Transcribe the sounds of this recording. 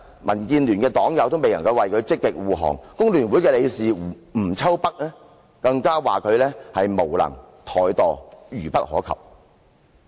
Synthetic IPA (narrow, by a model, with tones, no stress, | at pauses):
mʔɐ˨˩nkiː˧nlyː˨˩nkɛː˧t̪ɔː˨˥ŋjɐ˨wt̪o˥wme˨jlɐ˨˩ŋkɐ˧wɐ˨jkʰɵ˨˧ɥt͡sɪ˥kːɪ˨k̚wuː˨ɦɔ̰ː˨˩ŋkʊ˥ŋlyː˨˩nwu˨˥jkɛː˧le˨˧jsiː˨ | m̩˨˩t͡sʰɐ˥wpɐ˥k̚lɛː˥ | kɐ˧ŋkaː˥waː˨kʰɵ˨˧ɥlɛː˥hɐ˨jmo˨˩wlɐ̰˨˩ŋ | t̪ʰɔː˨˩jt̪ɔː˨jyː˨˩pɐ˥t̚hɔː˨˥kʰɐ̰˨˩p̚